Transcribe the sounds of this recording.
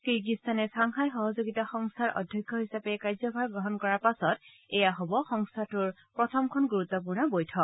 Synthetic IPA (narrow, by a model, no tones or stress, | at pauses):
kiɹk̬istʰanɛsaŋxajxɔɦɔzoɡitaxɔŋsʰaɹʔɔ̰dʱjɔkʰːɔɦisapɛkaɹzɔbʱaɹɡɹɔɦɔnkɔɹaɹpasɔt | ɛjaɦobɔxɔŋstʰatʊɹ | pɹɔtʰɔmkʰɔnɡuɹut̪ːɔpuɹnɔbojtʰɔk̚